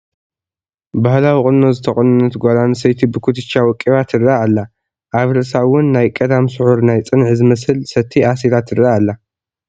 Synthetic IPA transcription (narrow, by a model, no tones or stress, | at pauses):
bahlawikʼɨnnozɨt̪ʰɐχʼɨnɨnɐt̪ɡʷolansɐjt̪ʰibɨkʰut̪ʰɨt͡ʃːawɔkʼːiβat̪ʰɨɾaːlːa | ʔaβɾɨʔsawʊnːajkʼɐd̪amsɨħuɾnajt͡sʼɨnʕizɨmɐsɨlsɐt̪ʰːiʔasilat̪ɨɾaːlːa